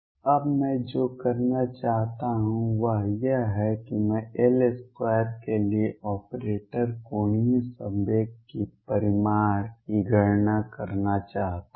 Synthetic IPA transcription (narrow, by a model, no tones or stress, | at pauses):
ɐbmɛ̃d͡ʒoːkɐɾnat͡ʃaːɦt̪aɦũʋəɦjəɦɛkimɛ̃eːleskwaːjəɾkelieʔɔːpɾeːʈəɾkoːɳĩsəbeːipɐɾɪmaːɾkiɡʱəɾnakɐɾnat͡ʃaːɦt̪a